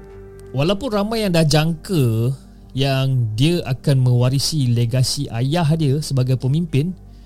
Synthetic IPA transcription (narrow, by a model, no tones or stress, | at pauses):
walawpʊnramãjaŋdahd͡ʒaŋkə | jaŋdiəʔakanmə̃waɾisileɡasiʔa̰jaɦdiəsəbaɡajpəmimpɪn